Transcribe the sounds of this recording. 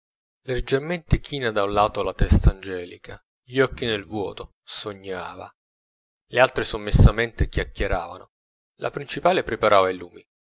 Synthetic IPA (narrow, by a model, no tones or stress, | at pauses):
lerd͡ʒerment̪ɪkʰiːnad̪aũnlaːt̪oalat̪ɛst̪aːnd͡ʒɛːlikʰa | ʎiɔkːinelvwɔ̰ːt̪o | soɲːaːva̰ | lealt̪ɾesomːesːament̪ɪkʲjakːeɾa̰ːva̰no | lʔa̰pɾint͡ʃipaːlepɾepaɾʔaːvailuːmi